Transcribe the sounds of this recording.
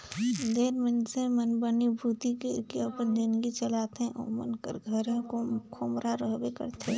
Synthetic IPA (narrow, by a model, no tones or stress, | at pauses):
d̪eːɾmɪnsemənbənibʱuːt̪ikekeəpənd͡ʒɪnd̪ɡit͡ʃəlaːt̪ɦɛ̃ʔɔ̰ːmə̰nkə̰ɾɡʱəɾẽkokʰomɾaɾəɦbekə̰ɾt̪ʰẽ